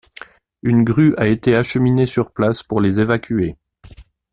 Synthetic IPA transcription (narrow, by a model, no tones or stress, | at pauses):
ynɡʁyʔaet̪eaʃəminesyʁplaspuʁlezevakʲye